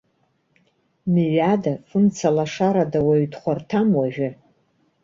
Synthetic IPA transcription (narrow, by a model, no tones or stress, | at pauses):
miɥadafɨnt͡sʰalaʂaɾadawaɥdχʷartʰamwaʒᶣɪ